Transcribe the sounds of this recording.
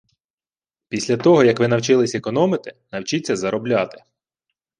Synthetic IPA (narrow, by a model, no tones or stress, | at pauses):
pʲisʲlʲɐt̪ɔɦɔjɐkʋɪnɐwt͡ʃɪlˠɪsʲekɔnɔmɪt̪ɪnɐwt͡ʃit͡sʲːɐzɐɾɔblʲɑt̪ɪ̥